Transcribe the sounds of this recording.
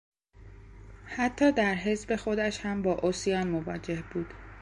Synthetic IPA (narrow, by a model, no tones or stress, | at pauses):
hæt̪ʰːɒːd̪æɾɦe̞zbe̞xo̞d̪æʃhæmbɒːʔosijɒːnmovɒːd͡ʒe̞hb̥uːd̪̥